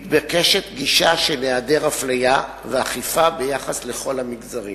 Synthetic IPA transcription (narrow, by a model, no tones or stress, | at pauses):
t̪bekeʃet̪ɡiʃaʃenead̪eʁaflaja | veaχifabejaχasleχo̞lhamiɡzaʁi